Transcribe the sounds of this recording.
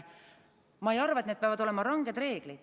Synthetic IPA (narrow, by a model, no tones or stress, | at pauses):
mɑejɑrvɑet̪ned̪̚peɑvɑd̪o̞le̞mɑɾɑŋɡe̞d̪̥re̞ːɡ̥lid̪̥